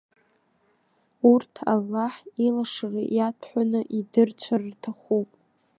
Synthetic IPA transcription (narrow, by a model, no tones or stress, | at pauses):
urtʰa̰lːaħilaʂarijatʰħʷᶣanɨʔidɨrt͡ɕʷʰarrtʰaχupʼ